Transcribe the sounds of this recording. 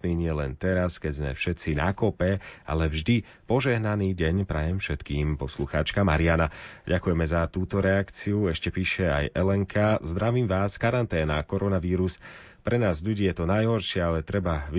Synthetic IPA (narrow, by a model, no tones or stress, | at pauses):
niːɲɪɛlɛ̰nt̪ɛɾaskɛɟzmɛ̰fʃɛt͡sina̰kɔpɛa̰lɛvʒd̪i | pɔʒɛɦnaniːɟɛɲpɾajɛmfʃɛt̪kiːmpɔsluxa̰ːt͡ʃkamaɾianaɟakujɛmɛzat̪uːt̪ɔɾɛakt͡siuɛʃcɛpiːʃɛa̰jʔɛlɛŋkʰazd̪ɾaʋiːmʋaːskaɾant̪ɛːna̰kɔɾɔnaʋiːɾus | pɾɛnaːzʎuɟiːjɛt̪ɔnajɦɔɾʃɪaalɛt̪ɾɛbaʋ